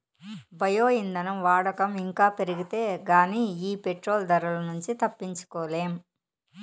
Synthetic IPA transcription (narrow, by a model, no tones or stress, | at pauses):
bɐjoːind̪ɐnɐmʋaːɽɐkɐmiŋkaːpe̞ɾiɡit̪eːɡaːniːiːpe̞ʈɾoːld̪ɐɾɐlɐnuɲt͡ʃit̪ɐpːiɲt͡ʃu̥kɔːleːm